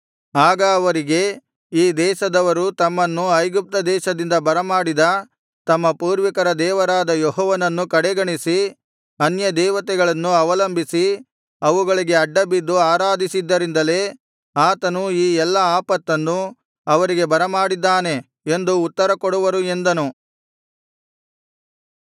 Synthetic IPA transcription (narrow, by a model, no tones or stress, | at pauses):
aːɡɐːʋɐɾiɡe̞ | iːd̪ɛːʃɐd̪ɐʋɐɾut̪ɐmːɐnːuɐjɡup̚t̪ɐd̪ɛːʃɐd̪ind̪ɐbɐɾɐmaːɽid̪ɐ | t̪ɐmːɐpuːɾʋikɐɾɐd̪ɛːʋɐɾaːd̪ɐjɔɦɔːʋɐnɐnːukɐɽɛɡɐɳisi | ɐnjɐd̪ɛːʋɐt̪ɛɡɐɭɐnːuɐʋɐlɐmbʱisi | ɐʋuɡɐɭiɡe̞ɐɖːɐbid̪ːuaːɾaːd̪isid̪ːɐɾind̪ɐle̞ː | aːt̪ɐnuiːɛlːɐaːpɐt̪ːɐnːu | ɐʋɐɾiɡe̞bɐɾɐmaːɽid̪ːaːne̞ | e̞nd̪uːt̪ːɐɾɐkoɽuʋɐɾue̞nd̪ɐnu